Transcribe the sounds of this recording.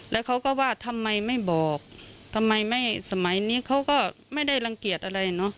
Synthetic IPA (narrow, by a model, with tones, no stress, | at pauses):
lɛː˦˥wkʰa˦˥wkɔː˧˩waː˧˩t̪ʰa˧mːa˧jma˧˥˩jbɔː˨˩k̚t̪ʰa˧mːa˧jma˥˩jsa˧ma˨˦jniː˦˥˨kʰa˦˥wkɔː˧˩ma˥˩jda˧˩jla˧ŋki˨˩ət̪̚ʔa˧ɾa˧jnɔ˦˥ʔ